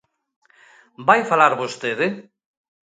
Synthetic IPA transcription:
bajfalaɾβost̪eðɪ

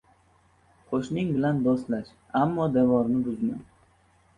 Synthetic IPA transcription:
qʰoʃnɪŋbɪland̪ost̪laʃ | amːɒd̪evɒɾnɪbʊzman

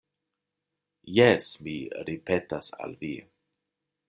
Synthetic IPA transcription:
jesmiɾipetasa̰lvi

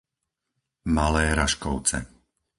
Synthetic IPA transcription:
malɛːɾaʃkɔʊt͡sɛ̰

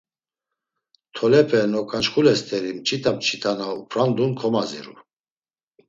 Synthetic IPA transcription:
t̪ʰɔlɛpʰʼɛnɔkʼant͡ʃχulɛst̪ʰʼɛɾimt͡ʃʼit̪ʰamt͡ʃʰʼit̪ʰanaupʰɾand̪unkʰɔmazḭɾṵ

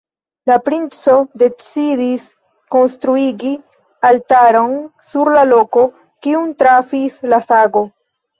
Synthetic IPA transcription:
lapɾint͡so̞de̞t͡sidis | ko̞nstɾuiɡi | altaɾo̞nsuɾlalo̞ko | kiuntɾafislasaɡo̞

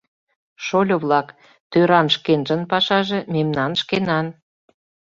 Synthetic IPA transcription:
ʃolʲoβlɑk | t̪øɾɑnʃkenʒə̆npɑʃɑʒĕmemnɑnʃkenɑn

